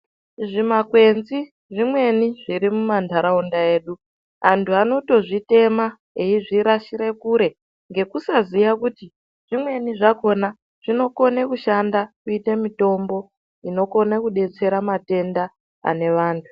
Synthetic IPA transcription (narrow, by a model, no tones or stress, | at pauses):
ʐimakwe̞nzi | ʐimwe̞niʐiɾimumandʱaɾaundae̞ːɗu | ɦantʰuano̞to̞ʐite̞ma | eiʐiɾaʃiɾekuɾe̞ | ŋɡe̞kusazijakuti | ʐ̥imwe̞niʐako̞na | ʐ̥ino̞ko̞nekuʃandakuitemito̞mbo̞ | ino̞ko̞nakuɗe̞t͡se̞ɾamate̞nda | a̰ne̞ʋaːntʰu̥